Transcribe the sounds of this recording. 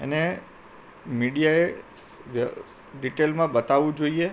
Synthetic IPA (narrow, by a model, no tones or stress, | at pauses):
ḛne | miɽijaeʋ | ɖiʈelmãbət̪aʋũd͡ʒoie